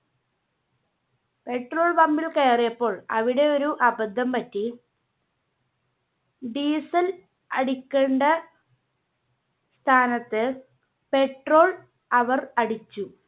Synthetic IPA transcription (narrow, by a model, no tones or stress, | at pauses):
pe̞ʈro̞ːɭbɐmbilkeːrijɐpːo̞ːɭɐ̰ʋiɽe̞o̞ɾuʔɐbɐd̪ʱːɐmpɐtːi | ɖiːsɐl | ɐ̰ɽikʲːe̞ɳɖɐ | st̪ʰaːnɐt̪ːɨ | pe̞ʈro̞ːɭ | ɐʋɐrɐɽit͡ɕːu